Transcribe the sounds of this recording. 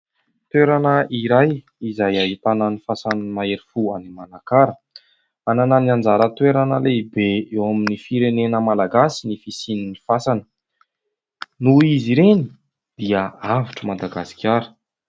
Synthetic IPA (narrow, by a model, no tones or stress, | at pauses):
t̪weɾanəʔiɾaj | izajaɦit̪ananifasanmaeɾifuanimanakaɾə | anananiand͡zaɾət̪weɾanəleibeewaminifiɾenenəmalaɡasinifisininifasanə̥ | nuiziɾeni̥ | d̪̥iəaviʈ͡ʂəmad̪aɡasi̥kʰʲaɾə̥